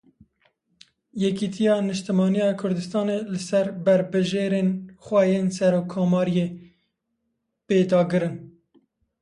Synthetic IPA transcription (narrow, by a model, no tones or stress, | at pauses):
jɛkit̪ʰijɑːnɨʃt̪ɨmɑːnijɑːkʰʊɾd̪ɨst̪ɑːnelɨsɛɾbɛɾbɨʒeːɾeːnxʷɛjeːnsɛɾoːkʰːoːmɑːɾije | peːd̪ɑːɡɨɾɨn